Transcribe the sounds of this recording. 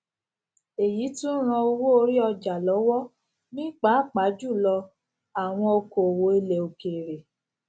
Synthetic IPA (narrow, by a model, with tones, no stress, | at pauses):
e˨ji˨˦tũ˦ɾ̃ã˧o˧wo˦o˧ɾi˦ɔ˧d͡ʒa˨lɔ˨˦wɔ˦ | nĩ˦k͡pa˨˦˨k͡pa˨˦d͡ʒu˦˨lɔ˧ | a˨w̃ɔ̃˧o˧ko˨o˨wo˨˦e˧le˨o˨ke˨ɾe˨